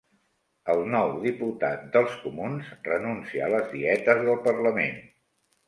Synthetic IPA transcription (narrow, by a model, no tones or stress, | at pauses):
əlˠnɔwðiput̪at̪̚d̪əlˠskumunzrənunsiəːləzðiɛt̪əzðəlˠpərləmḛn